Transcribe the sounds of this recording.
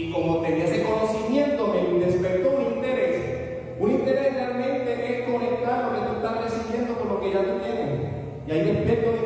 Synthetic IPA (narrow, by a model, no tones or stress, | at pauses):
ikomot̪enesekonosimje̞nt̪omeid̪espeɾt̪ounint̪eɾes | unint̪eɾesrealmẽ̞nt̪eʔeskonek̚t̪aɾoðet̪okt̪aɾɾesimje̞nt̪okonlokeʝat̪ot̪eɣo | jajiepek̚t̪oðe